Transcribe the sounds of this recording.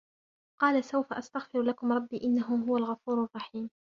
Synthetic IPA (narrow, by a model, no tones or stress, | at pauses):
qɑːlasawfaʔast̪aɣfɪɾlakʊmɾˤɑbːiːʔɪnːaɦʊɦʊwalɣɑfuːɾarˤːɑħiːm